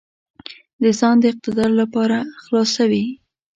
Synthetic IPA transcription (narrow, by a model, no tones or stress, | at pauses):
d̪əzɑnd̪əɪq̚t̪ɪd̪ɑɾlapɑɾaxlɑsawi